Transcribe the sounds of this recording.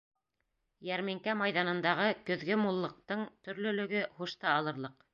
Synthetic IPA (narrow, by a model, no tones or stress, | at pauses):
jæɾmiŋkæmɑjðɑnɤ̆nd̪ɑʁɤkɵ̆ðɡɵmulˠːɤ̆q̚t̪ɤɴt̪ɵ̆ɾlɵ̆lɵ̆ɡɵχuʃt̪ɑɑlˠɤ̆ɾlˠɤq̚